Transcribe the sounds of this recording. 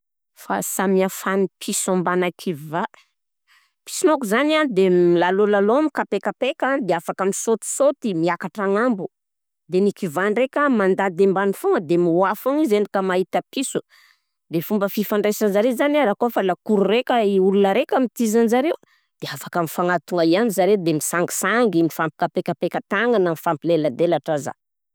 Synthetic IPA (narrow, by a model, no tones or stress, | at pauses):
fa̰samiafanipʰisambanakʰiva | pi̥sinokuzanand̪emlalolalomikapekapekad̪eafakamisot̪i̥sot̪imiakaʈ͡ʂaŋambu | d̪enikivanrekʲəmand̪ad̪embanifoŋəd̪emiwafoŋizenikəmait̪apisu | d̪efumbəfifaɳɖ͡ʐesanzaɾezaniaɾakofalakuɾuɾekʲəiulunəɾekʲəmit̪izanzaɾew | d̪̥eafakamifaŋat̪uŋaianizaɾed̪emisaŋɡi̥saŋɡimifampi̥kapekapekət̪aŋanamifampilelad̪elaʈ͡ʂaza̰